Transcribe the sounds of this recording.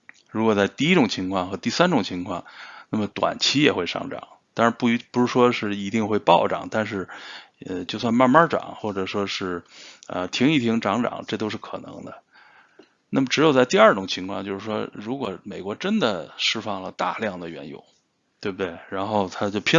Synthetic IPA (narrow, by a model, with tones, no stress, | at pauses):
ɻu˧˥kwɔ˨˩t͡sa˥˧ɪt̪i˥˧i˥ʈ͡ʂʊ˨˩ŋt͡ɕʰi˧˥ŋkʰwɑ˥˧ŋxɤ˧˥t̪i˥˩sa˥nʈ͡ʂʊ˨˩ŋt͡ɕʰi˧˥ŋkʰwɑ̰˥˧ŋna˥˩mə˩t̪wa̰˨˩nt͡ɕʰi˥jɛ˨˩xwe˥˧ɪʂɑ̰˥˩ŋʈ͡ʂɑ̰˨˩˦ŋt̪ɑ˥ŋɻa˧˥npu˥˩˧pu˧˥ʂ̩˧˥˩ʂwɔ˥ʂɻ̩˥˩i˧˥t̪i˥˧ŋxwe˥˧ɪpɑ˥˩ʊʈ͡ʂɑ̰˨˩˦ŋt̪a˥˧nʂ̬ɻ̩˥˩ | ə˧t͡ɕjo˥˧ʊswa˥˧nma˥˧nma˥˧ʈ͡ʂɑ̰˨˩˦ŋxwɔ˥˩ʈ͡ʂɤ˨˩ʂwɔ˥ʂɻ̩˥˩ə̰˧t̪ʰi˧˥ŋi˥˩t̪ʰi˧˥ŋʈ͡ʂɑ˧˥ŋʈ͡ʂɑ̰˨˩ŋʈ͡ʂɤ˥˩t̪̬o˥ʂɻ̩˥˩kʰɤ˨˩nɤ̰˧˥ŋd̪ə̰˧ | na˥˩mə˩ʈ͡ʂɻ̩˧˥jo˨˩ʊt͡sa˥˧ɪt̪i˥˧ə˞˥˩ʈ͡ʂʊ˨˩ŋt͡ɕʰi˧˥ŋkʰwɑ˥˧ŋt͡ɕjo˥˧ʊʂɻ̩˥˩ʂwɔ̰˥ɻu˧˥kwɔ˨˩me˨˩ɪkwɔ˧˥ʈ͡ʂə˥nd̪ə˨ʂɻ̩˥fɑ˥˩ŋlə˩t̪a̰˥˧ljɑ˥˩ŋd̪ə˩ɥɛ̰˧˥njo̰˧˩˦ʊ | t̪we˥˩b̚t̪we˥˩ɪɻa˧˥nxo˥˩ʊt̪ʰa˥t͡ɕjo˥˧ʊpʰɛ˥